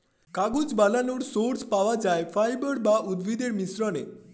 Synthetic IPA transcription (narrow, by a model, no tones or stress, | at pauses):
kaɡud͡ʑbalanuɽsoɾspaʋad͡ʒajfajbəɽbaʔud̪ʋid̪eɾmisɾɔne